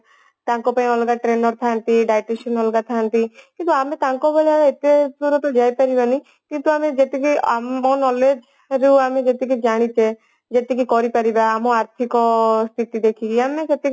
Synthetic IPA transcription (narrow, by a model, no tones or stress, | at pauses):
t̪ãŋkɔpãĩɔlɡaʈɾenɔɾt̪ʰant̪iɖajʈesɔnɔlɡat̪ʰant̪ikint̪uamet̪ãŋkɔboliameet̪epuɾɔt̪ɔd͡ʒajpaɾibanii | kint̪uamed͡ʒet̪ikiamɔnɔled͡ʒ | ɾeuamed͡ʒet̪ik̬id͡ʒaɽ̃it͡ʃʰe | d͡ʒet̪ik̬ikɔɾipaɾibaːmɔaɾt̪ʰikɔst̪ʰit̪id̪ekʰiɡiamed͡ʒet̪i